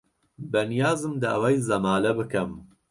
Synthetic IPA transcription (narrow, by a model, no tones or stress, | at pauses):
bɛnijaːzɨmd̪ɐʔɐ̰wɐjzɐmaːlɛbɨkɛm